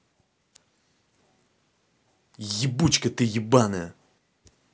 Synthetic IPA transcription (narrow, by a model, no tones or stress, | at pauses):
jəbut͡ɕkət̪əjəbanə